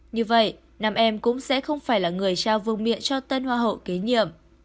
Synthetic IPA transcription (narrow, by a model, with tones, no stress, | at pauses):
ɲɨ˧və̰˧˨j | naː˨˩mʔɛ˧mkʊ̰˧˥ŋ͡msɛ̰˧˥xə˧wŋ͡mfaː˧˩jlaː˨˩ŋɨ˨˩əjt͡ɕaː˧wvɨ˧˨əŋmḭ˧˨ənt͡ɕɔ˧t̪ə˧nhwaː˧ɦo̰˧˨ke˨˦ɲḭ˧˨əm